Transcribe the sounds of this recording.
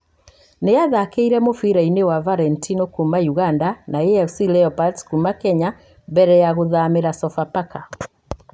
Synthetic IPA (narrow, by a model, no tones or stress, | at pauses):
nejaðakeiɾɛmofiɾainewavaɾɛntʰinokumajuɣandanaeɛfsilɛɔpatskumakɛɲa | bɛɾɛjaɣoðameɾasɔfapaka